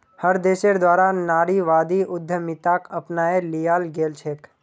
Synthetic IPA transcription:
həɾd̪eʃeɾd̪ʋaːɾanaːɾiʋad̪iʔʊd̪ʱːəmɪt̪akəpnaelijalɡeːlt͡ʃʰek

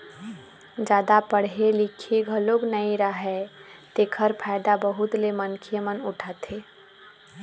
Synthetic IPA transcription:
d͡ʒaːd̪apəɽɦelikʰeɡʱəloɡnəiɾəɦɛt̪ekʰəɾpʰaɪd̪abəɦut̪lemənkʰiemənʊʈʰət̪e

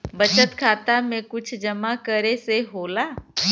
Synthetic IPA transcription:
bɐt͡ʃət̪kʰaːt̪amẽkʊt͡ʃʰd͡ʒɐmakəɾeseɦoːlaː

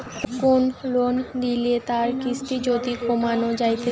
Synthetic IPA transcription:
konlonɖiliet̪aɾkisʈid͡ʑod̪ikʰomanod͡ʑajt̪ʰe

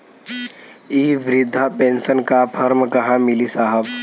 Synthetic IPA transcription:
iːʋɾɪd̪ʱːapẽnsənkapʰɐɾmkɐɦãmɪlisaːɦəb

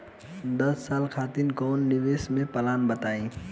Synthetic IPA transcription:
d̪əsːalkʰat̪inkɔnːiʋesmẽpəlanbət̪aĩ

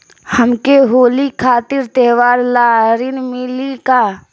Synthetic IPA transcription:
həmkeɦoːlikʰaːt̪ɪɾt̪eːʋaːɾlaːɾɪnmɪlikaː

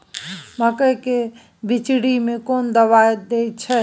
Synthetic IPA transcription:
məkəjke | bit͡ʃɽimẽkond̪əβajd̪ej̪t͡ʃʰɛ

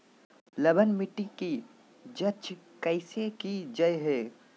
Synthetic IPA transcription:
ləbənmɪʈːiki | d͡ʒət͡ʃʰkɐɪsekid͡ʒɐeɦeː

